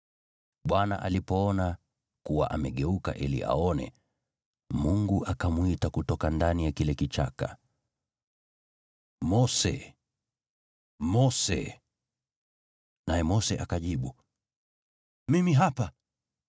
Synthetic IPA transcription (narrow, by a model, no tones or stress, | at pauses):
ɓwana̰ʔalipɔɔna | kuwa̰ʔamɛɠɛuka̰ʔilḭʔa̰ɔnɛ̰ | muŋɡuʔakamuitakutɔkandanijakilɛkit͡ʃa̰ka̰ | mɔsɛ̰ | mɔsɛ̰ | najɛmɔsɛʔakaʄiɓu | mimiɦapa